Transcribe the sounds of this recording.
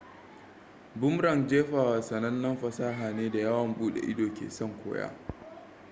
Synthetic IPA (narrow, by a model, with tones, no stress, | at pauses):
bʊ˦mɾɐ˨nd͡ʒeː˦ɸaː˨waː˨sɐ˨nɐ˦nːɐ˦mɸɐ˨saː˦ɦaː˨neː˦da˨jaː˦wɐ˨mbuː˦ɗḛ˨ʔɪ˦doː˨kʲḛː˨sɔ˦˨ŋkʷo̰ː˦ja̰ː˦